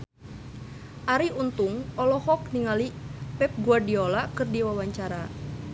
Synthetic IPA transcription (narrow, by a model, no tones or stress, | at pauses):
ʔaɾiunt̪uŋɔlɔhɔk̚niŋalipɛp̚ɡuadiolakɨrdiwawaɲt͡ʃaɾa